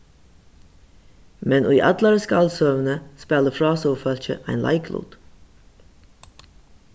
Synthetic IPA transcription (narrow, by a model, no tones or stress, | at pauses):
mɛnʔṵiʔɑ̰d̪ləɾəskɑlsœʋənəspɛləfɾɑːsoːfœlçə̰ʔæɪnlʔæ̰ɪkʰlṵːd̪̥